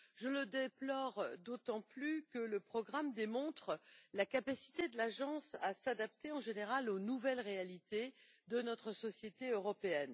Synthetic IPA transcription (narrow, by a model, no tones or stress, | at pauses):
ʒələd̪eplɔʁd̪ot̪ɑ̃plykələpχɔɡʁamd̪emɔ̃t̪χəlakapasi̥t̪ed̪əlaʒɑ̃sasad̪ap̚t̪eɑ̃ʒeneʁalonuvɛlʁealit̪ed̪ənɔt̪χəsɔsjet̪eøʁɔpeɛn